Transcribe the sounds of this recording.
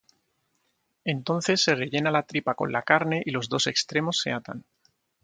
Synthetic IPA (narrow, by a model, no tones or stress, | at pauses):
e̞nt̪o̞n̟θe̞sːe̞re̞ʝe̞nalat̪ɾipako̞̰nlakaɾne̞ʔilo̞zðo̞se̞kst̪ɾe̞mo̞sːe̞̰at̪a̰n